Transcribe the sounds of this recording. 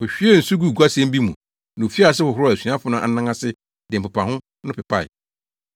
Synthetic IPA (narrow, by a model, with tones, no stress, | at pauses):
hʊ˨ɕᶣɪ˦ɛ˦n̩˨su˦ɡu˦˨ɡʷa˦sɛ̃˦m˦bi˦mũ˨ | nʊ̃˨fi˦a˦˨s̬ɪ˦hʊ˨hʊ˦ɾæ˨sũ˨˦ã˦fʊ˨˦nʊ̃˦ʔa̰˨nã˦ŋã˦sɪ˦ | dɪ˨m̩˨pʊ˨pa˨hʊ̃˦ | nʊ̃˦pɪ˨pʰa˦˨ɪ̰˨